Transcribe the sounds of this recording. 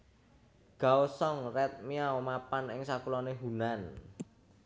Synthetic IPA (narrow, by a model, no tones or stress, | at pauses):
ɡ̥a̤osɔŋrɛt̪̚miaomapanɪŋsakulɔneɦunan